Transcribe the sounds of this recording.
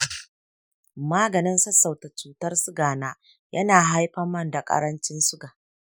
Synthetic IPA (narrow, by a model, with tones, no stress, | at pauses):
maː˦ɡɐ˨nɪ˦nsɐ˦sa˨wta˨t͡ʃuː˨tɐ˦rsʊ˦ɡaː˨naː˦ | jʔɐ˦naː˨ɦa˦jɸɐ˦mːɐ˦nda˨kʼɐ̰˦ɾɐ˦nt͡ʃɪ˦nsʊ˦ɡa˨ʔ